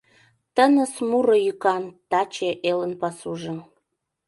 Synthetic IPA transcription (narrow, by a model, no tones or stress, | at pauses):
t̪ənəsmuɾojykɑnt̪ɑt͡ɕeʔelənpɑsuʒə̆m